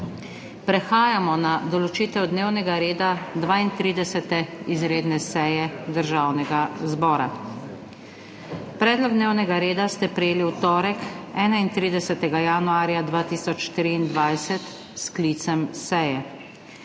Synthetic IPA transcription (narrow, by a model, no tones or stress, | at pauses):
pɾɛxaːjamɔnad̪ɔlɔt͡ʃiːt̪ɛwd̪newnɛɡaɾeːd̪ad̪ʋaːint̪ɾiːd̪ɛsɛt̪ɛizɾeːd̪nɛsɛjɛd̪əɾʒawnɛɡazbɔːɾa | pɾɛːd̪lɔɡ̚d̪neːwnɛɡaɾeːd̪ast̪ɛpɾɛjeːliwt̪ɔːɾɛkɛːnaint̪ɾiːd̪ɛsɛt̪ɛɡajanuaːɾjad̪ʋaːt̪iːsɔt͡ʃt̪ɾiːnd̪ʋajsɛt̪ | sklit̪sɛmsɛjɛ